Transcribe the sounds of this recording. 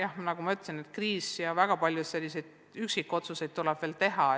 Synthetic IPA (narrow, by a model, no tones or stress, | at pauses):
jɑhnɑɡumɑyt̪ːˑsinet̪kriːsjɑvæɡ̥ɑpɑlʲjusse̞lʲːise̞jd̪̥ | yksikːˑo̞t̪suse̞jd̪̚t̪ulɛb̥ve̞ːlt̪e̞ɦɑ